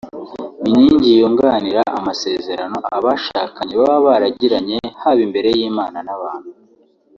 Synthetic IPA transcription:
iɲiːɲɟijoːŋɡaːniɾaʔamase̞ːze̞ɾano̞ʔaβaʃaːkaɲeβaβaβaɾaɟiɾaɲe̞haβimbe̞ɾe̞jiːmaːnanaβaːn̥hu

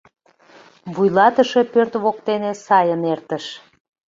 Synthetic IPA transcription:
βujlɑt̪əʃe̽pørt̪βokt̪enesɑjənert̪əʃ

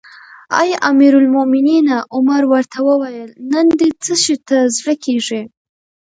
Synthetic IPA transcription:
a̰jʔamiɾʊlmʊmɪninaʔʊmaɾwəɾt̪ʰawəwajəlnənd̪et͡səʃit̪azɽəkʰeʐi

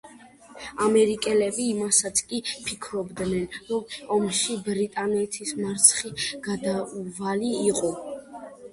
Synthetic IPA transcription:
amɛɾikʼɛlɛbiːmasat̪sʰkʼipʰikʰɾɔbd̪nɛnɾɔmɔmʃibɾit̪ʼanɛt̪ʰismaɾt̪sʰχiɡ̥ad̪avaliːqʼɔ

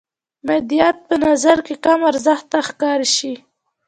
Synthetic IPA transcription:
mɪd̪ijɑt̪̚pənazaɾkekamaɾzaxt̪axkɑɾʃi

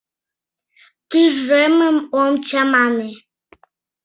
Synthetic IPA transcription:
t̪yʒeməmomt͡ɕamane

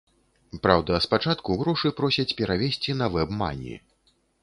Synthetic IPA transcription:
pɾawd̪ɐspat͡ʂat̪kuɣɾɔʂɨpɾɔsʲɐt͡sʲpʲɛɾavʲesʲt͡sʲinɐvɛbma̰nʲḭ

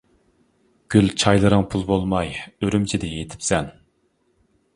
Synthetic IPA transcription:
ɡ̥ʲylt͡ʃʰɑjlˠɨɾɨŋpʰulˠbolˠmɑjøɾymt͡ʃʰid̪ɛjet̪ʰɪ̥psɛn

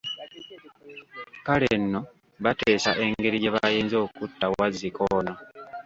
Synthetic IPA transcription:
kalenːo̞ | βateːsaʔe̞ŋɡe̞ɾijeβajeːnzo̞ːkutːawazikʰoːna

